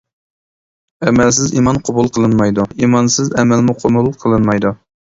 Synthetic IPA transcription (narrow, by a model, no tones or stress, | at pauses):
ɛmɛlsɪzimɑnqʰobulˠqʰəlˠɨnmɑjd̪uimɑnsɪzɛmɛlmuqʰomulˠqʰəlˠɨnmɑjd̪u